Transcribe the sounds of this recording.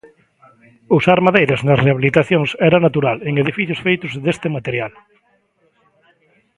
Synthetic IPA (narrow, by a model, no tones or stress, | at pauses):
usaɾmaðejɾaznɐsreaβ̞ilit̪aθjoŋsɛɾanat̪uɾaleŋeðifiθjʊsfejt̪ʊzðest̪emat̪eɾjal